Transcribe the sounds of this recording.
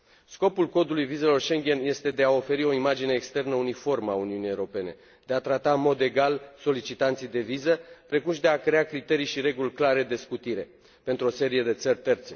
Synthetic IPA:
sko̞pulko̞d̪ulujvize̞lo̞rʃe̞ŋɡʲe̞nje̞st̪e̞d̪e̞ao̞fe̞ɾio̞imad͡ʒineːkst̪e̞rnəunifo̞rmauniunijewuɾo̞pe̞ne̞̰ | d̪e̞at̪ɾat̪aɨnmo̞d̪e̞ɡalso̞lit͡ʃit̪ant̪sijd̪e̞vizəpɾe̞kumʃid̪e̞akɾe̞akɾit̪e̞ɾijʃiɾe̞ɡulʲklaɾe̞d̪e̞skut̪iɾe̞ | pe̞nt̪ɾuo̞se̞ɾije̞d̪e̞t̪sərʲt̪e̞rt̪se̞

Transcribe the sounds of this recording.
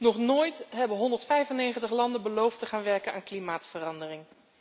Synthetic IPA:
nɔχnoːjtɦɛbəɦɔndəɹtfɛjvənejχəntəχlɑndəbəlowftəχaːnʋɛɹkənaːnklimaːtfərɑndərɪŋ

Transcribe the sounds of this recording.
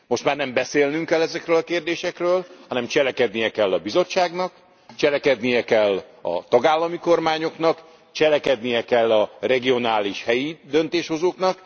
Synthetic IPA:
mo̞ʃt̪maːrnɛmbɛseːlnyŋkɛlːɛzɛkrøːlɒkeːrd̪eːʃɛkrøːlhɒnɛmt͡ʃɛlɛkɛd̪nijɛkɛlːɒbizo̞t͡ʃːaːɡnɒk | t͡ʃɛlɛkɛd̪nijɛkɛlːɒ̰t̪ɒɡaːlːɒmiko̞rmaːɲo̞knɒk | t͡ʃɛlɛkɛd̪nijɛkɛlːɒrɛɡio̞naːliʃhɛjid̪ø̞nt̪eːʃho̞zoːknɒk

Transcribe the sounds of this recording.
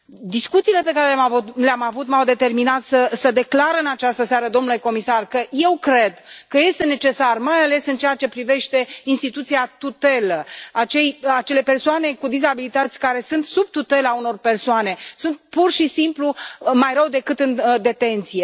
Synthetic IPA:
d̪iskut̪siːle̞pe̞kaɾelamavuleamavut̪mawd̪e̞t̪e̞rminat̪səsəd̪e̞klaɾɨnat͡ʃast̪əseaɾəd̪o̞mnule̞ko̞misarkəje̞wkɾe̞d̪kəje̞st̪e̞ne̞t͡ʃe̞sarmajale̞sɨnt͡ʃejat͡ʃe̞pɾive̞ʃt̪e̞inst̪it̪ut̪siat̪ut̪e̞ləat͡ʃe̞jat͡ʃe̞le̞pe̞rsoane̞kud̪izabilit̪ət̪sʲkaɾe̞sɨnt̪sub̚t̪ut̪e̞launo̞rpe̞rsoane̞sunt̪̚purʃisimplumajɾəwd̪e̞kɨt̪ɨnd̪e̞t̪e̞nt̪sije̞

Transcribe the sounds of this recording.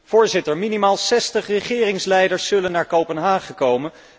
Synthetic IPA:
v̥ʊːɹzɪtəɹminimaːlˠsɛstəχrəχɪːrɪŋslɛjdəɹsːɵlənːaːɹkowpənɦaːχəkowmən

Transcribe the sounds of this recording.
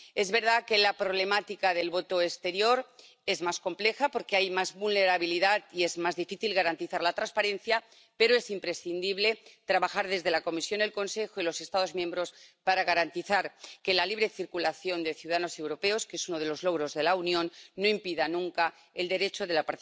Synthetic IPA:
e̞zβe̞ɾð̞ake̞lapɾo̞β̞le̞mat̪ikaðe̞lβo̞t̪o̞est̪e̞ɾjo̞ɾ | e̞zmasko̞mple̞xapo̞ɾke̞ajmazβulne̞ɾaβ̞iliðat̪ie̞zmazðifiθilɣaɾant̪iθaɾlat̪ɾanspaɾe̞nθja | pe̞ɾo̞e̞simpɾe̞sθind̪iβle̞t̪ɾaβaxaɾð̞e̞zðe̞lako̞misjo̞ne̞lko̞nse̞xoilo̞se̞st̪aðo̞zmjẽ̞mbɾo̞spaɾaɣaɾant̪iθaɾke̞laliβ̞ɾe̞θiɾkulaθjo̞nd̪e̞θjiuwðaano̞se̞wɾo̞pe̞o̞skesuno̞ðe̞lo̞zlo̞ɣɾo̞zðe̞launjõ̞nːo̞impiðanũŋka | e̞ld̪e̞ɾe̞t͡ʃo̞ðe̞lapaɾ

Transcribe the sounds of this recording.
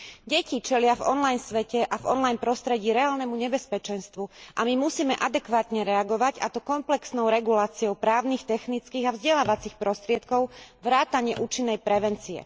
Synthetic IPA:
ɟɛcit͡ʃɛlɪavɔ̰nlajnsʋɛcɛʔavɔ̰nlajnpɾɔst̪ɾɛɟiːɾɛaːlnɛmuɲɛbɛspɛt͡ʃɛnst̪ʋuʔamimusiːmɛʔad̪ɛkʋaːt̪ɲɛɾɛaɡɔʋaɟa̰t̪ɔkɔmplɛksnɔʊɾɛɡulaːt͡siɔʊpɾaːʊnixt̪ɛxnit͡skiːɣavzɟɛlaːʋat͡sixpɾɔst̪ɾɪɛt̪kɔʊʋɾaːt̪aɲɪɛʔuːt͡ʃinːɛjpɾɛʋɛnt͡siɛ̰

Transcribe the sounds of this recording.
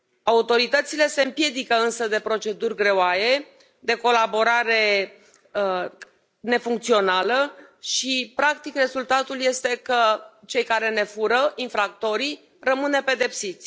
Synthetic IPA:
aut̪o̞ɾit̪ət̪sile̞se̞ɨmpje̞d̪ikəɨnsəd̪e̞pɾo̞t͡ʃe̞d̪urʲɡɾe̞oaje̞ | d̪e̞ko̞labo̞ɾaɾe̞ | ne̞fuŋk̚t̪sio̞naləʃipɾakt̪ikre̞zult̪at̪ulje̞st̪e̞kət͡ʃe̞jkaɾe̞ne̞fuɾəʔinfɾak̚t̪o̞ɾi | rəmɨnepe̞d̪e̞psit̪sʲ

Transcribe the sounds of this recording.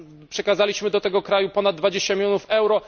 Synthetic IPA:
pʂɛkazalʲiɕmɘd̪ɔt̪ɛɡɔkɾajupɔnad̪d̪vad͡ʑeɕt͡ɕamʲilʲjɔnufɛwɾɔ

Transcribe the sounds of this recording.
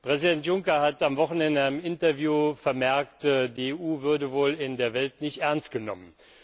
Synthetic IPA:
pʁ̥ɛzidɛntjʊŋkɐhatamvɔχn̩ɛndəaɪnəmɪntɐvjuːfɛɐmɛɐktdieːʔuːvʏɐdəvoːlɪndeːɐvɛltnɪçtʔɛɐnst̚ɡ̥ənɔmən

